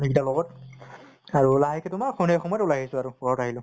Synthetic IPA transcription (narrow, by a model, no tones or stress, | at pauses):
nikitalɔɡɔt̚ | aɹulaɦakɛtʊmaɹxʰɔnɛxɔmɔjtulaɦisʊaɹuɡʱɔɹɔtaɦilʊ̃